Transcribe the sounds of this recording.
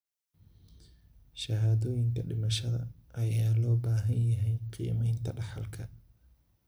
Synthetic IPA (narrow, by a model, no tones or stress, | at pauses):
ʃɐɦaːðɔːjɪŋkʰɐɖɪmɐʃɐðɐ̰ʔɐjaːlɔːbaːɦɐnjɐɦɛjqḭjɐ̰mɛjnt̪ʰɐɖɑħɑ̰lkʰɐ